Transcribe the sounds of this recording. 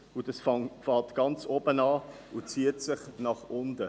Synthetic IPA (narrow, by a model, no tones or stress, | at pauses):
ud̥ɑsfɑfɑːtɡ̥ɑnt͡sobənɑː | ut͡siətsɪχnɑχʊndə